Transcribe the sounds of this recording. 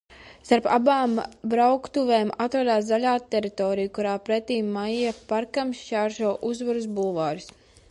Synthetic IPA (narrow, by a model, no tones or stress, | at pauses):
st̪aɾpa̰baːmbɾawkt̪uveːmat̪ɾad̪aːs̬zaʎʲaːt̪ɛɾit̪ɔːɾijukuɾaːpɾɛt̪iːmːajijapaɾkamʃt͡ʃaːɾʒɔɔʔuzvaɾus̬bulˠvaːɾʲis